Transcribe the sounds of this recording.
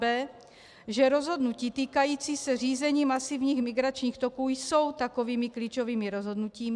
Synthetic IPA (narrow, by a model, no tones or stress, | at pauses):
bɛː | ʒɛɾozɦodnuciːt̪iːkajiːt͡siːsɛr̝iːzɛɲiːmasivɲiːxmiɡɾat͡ʃɲiːxt̪okuːjso̞wt̪akoviːmikliːt͡ʃoviːmiɾozɦo̞dnuciːm